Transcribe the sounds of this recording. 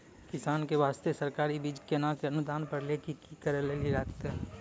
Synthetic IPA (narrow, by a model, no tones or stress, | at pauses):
kɪsaːnkeʋaːst̪esɐɾkaːɾibiːd͡ʒkenãkeɐnʊd̪aːnpɐɾlekikikəɾəleliɾakt̪e